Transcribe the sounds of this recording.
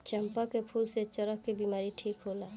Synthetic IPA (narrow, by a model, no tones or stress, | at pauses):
t͡ʃəmpakepʰulset͡ʃəɾəkkibimaːɾiʈʰiːkɦoːlaː